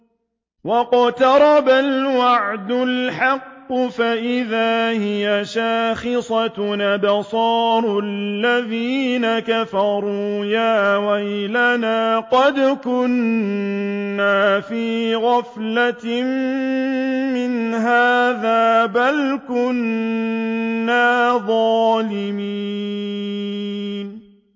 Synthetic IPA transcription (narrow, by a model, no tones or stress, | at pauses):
wɑqt̪ɑɾˤɑbalwaʕd̪ʊlħɑqːʊfaʔɪðaːhɪjaʃaːxɪsˤɑnabɑsˤɑːɾˤʊallːaðiːnakafɑɾˤuːjaːwajlanaːqɑd̪kʊn | aːfiːɣɑflam | ɪnɦaːðaːbalkʊn | aːðˤɑːlɪmi | n